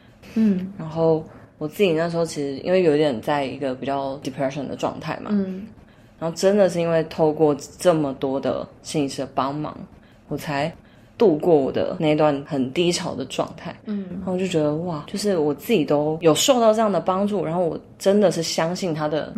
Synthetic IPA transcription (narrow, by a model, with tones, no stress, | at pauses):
ɻa˧˥nxo˥˩ʊwɔ˨˩t͡sɨ˥˩t͡ɕi˨˩na˥˩ʂɻ̩˧˥xo˥˧t͡ɕʰi˧ʂɻ̩˧˥ʔḭ˥nwe˥˩ɪjo˧˥ʊi˥˩jɛ˨˩nt͡sa˥˩ɪḭ˧˥ɡə˧pi˨˩t͡ɕjɑ˥˩ʊd̪i˨˩pʰɹɛ˥ʂə˨˩nd̪ə̰˩ʈ͡ʂwɑ̰˥˧ŋt̪ʰa̰˥˩ɪmʔa̰˨ | ɻɻa˧˥nxo˥˩ʊʈ͡ʂə˥nd̪ə˨ʂɻ̩˥˩i˧˥nwe˥˧ɪt̪ʰo˥˧ʊkwɔ˥˧ʈ͡ʂə˥˩mə˩t̪wɔ˥d̪ə̰˩ɕi˥˧ŋʂi˥˩d̪ə˩pɑ˥ŋmɑ̰˨˩˦ŋ | wɔ˨˩t͡sʰa˧˥ɪ | t̪u˥˧kwɔ˥˩wɔ˨˩d̪ə̰˦na˥˧ɪi˥t̪wa˥˩nxə˨˩nt̪i˥ʈ͡ʂʰɑ˨˩ʊd̪ə˨ʈ͡ʂwɑ̰˥˧ŋt̪ʰa˥˩ɪa˧˥˩t͡ɕjo˥˩ʊt͡ɕɥɛ˧˥d̪ə˧wa˥˩t͡ɕjo˥˧ʊʂ̬ɻ̩˥˩wɔ˨˩t͡sɹ̩˥˩t͡ɕi˨˩t̪o˥ʊjo˨˩ʊʂo˥˧ʊt̪ɑ˥˧ʊʈ͡ʂɤ˥˧jɑ˥˩ŋd̪ə˩pɑ˥ŋʈ͡ʂu˥˩ɻa˧˥nxo˥˩ʊwɔ̰˨˩ʈ͡ʂə˥nd̪ə˨ʂɻ̩˥˩ɕjɑ˥ŋɕi˥˩nt̪ʰa˥d̪ə̰˩